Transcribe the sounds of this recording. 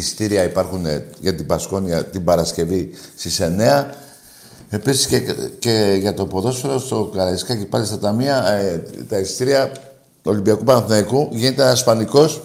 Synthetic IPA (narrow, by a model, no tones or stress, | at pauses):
ist̪iɾiɐipɐɾxunḛʝɐt̪ibɐsko̞niɐt̪ibɐɾɐsce̞vist̪ise̞ne̞ɐ | e̞pisi̥sceceʝɐt̪o̞po̞ðo̞sfeɾost̪o̞kɐɾɐiskɐcipɐlist̪ɐt̪ɐmiɐt̪ɐist̪iɾiɐ | o̞limbiɐkupɐnɐθnɐikuʝinet̪eɐsfɐniko̞s